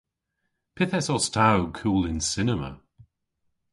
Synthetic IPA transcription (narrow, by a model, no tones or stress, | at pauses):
pʰɪθɛsɔstʰawkʰuːlɪnsɪnəmə̰